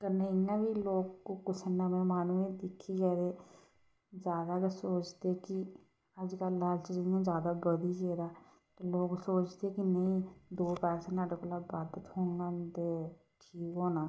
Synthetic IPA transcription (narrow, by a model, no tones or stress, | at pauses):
kəneːɪjãːbiːloːkːokʊsənãːmẽːmaːnũːẽːd̪ɪkʰːiːkɛːɾeː | d͡ʒaːd̪aːksoːt͡ʃd̪eːkɪ | əd͡ʒkəlːalt͡ʃəd͡ʒijãːzjaːd̪aːbəd̪iːkeːɾaː | t̪eːloːɡsoːt͡ʃd̪eːkɪnəĩːd̪oːpɛːseːnaːɖekʊlaːbaːd̪ət̪hoːnãd̪e | ʈʰiːkɦoːnaː